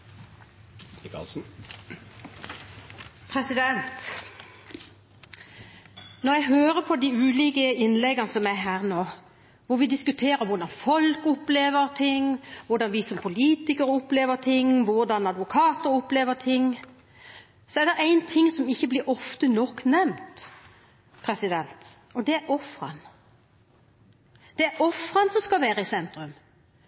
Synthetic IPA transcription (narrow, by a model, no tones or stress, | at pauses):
klsn̩ | pʰɾɛsɪd̪ɛnt̪ | nɔɾjɛɡɦøːɾəpʰɔd̪ɪʉːliːkəɪnlɛɡɑnəsɔmæɦæːʁnoː | ʋʊɾʋɪd̪ɪskʉt̪ʰeːɾəɾʋʊɾd̪ɑnfɔlkʊpleːʋəɾt̪ʰɪŋʋʊɾɖ̪ɑnʋɪsɔmpʰʊliːt̪ɪkəɾɔpleːʋət̪ʰɪŋːʋʊʁd̪ɑnɑd̪ʋʊkʰɑːt̪əɾɔpleːʋət̪ʰɪŋː | sɔɛɾd̪ɛʔæɪnt̪ʰɪŋːsɔmɪçːəblɪɾɔft̪ənɔkːnɛmt̪ | pʰɾɛsɪd̪ɛnt̪ | ɔd̪ɛæɾɔfɾɑ̰n | d̪̥ɛæɾɔfɾɑnsɔmskɑlʋæːɾəɪsɛnt̪ɾʉm